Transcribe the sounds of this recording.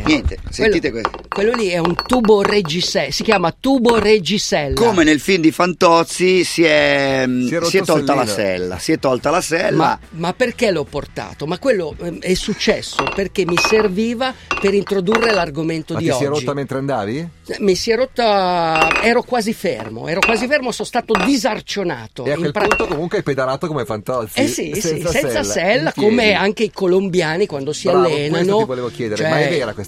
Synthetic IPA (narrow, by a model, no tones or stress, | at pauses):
nɛnt̪esenwelːiːt̪ekwekwelːoliɛunt̪uːbored͡ʒisɛsikjaːmat̪uːbored͡ʒisɛlːkomenelfimd̪ifant̪ɔt̪sːisiɛ | siɛt̪ːɔlalasɛ̰lːa̰siɛt̪ːɔlt̪alasɛlːmamapːerk̟elɔpːort̪a̰ːt̪omakːwelːoɛsːut͡ʃːɛsːoperk̟emːiserviːvapeɾint̪ɾod̪urːelarɡoment̪od̪isɔiɛɾd͡ʒotːiːament̪ɾeand̪aːvimisiɛɾot̪ːa | ɛːɾokwaːzifḛrmo̰ɛːɾokwaːzifermosonst̪aːt̪od̪izart͡ʃona̰ːt̪o̰eakiwelpɾunt̪okomuŋkweɛped̪aɾaːt̪okomefant̪ɔlsɛsisɛsssɛnsɛsaɛlːakkomeaŋk̟eikolombjaːnikwand̪osialːeːnanoivoleːvokjɛːd̪eɾt͡ʃomaɛɛveːɾakwes